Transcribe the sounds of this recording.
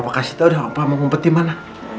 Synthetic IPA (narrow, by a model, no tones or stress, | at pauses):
pakasi̥ht̪audahpamamumpət̪imana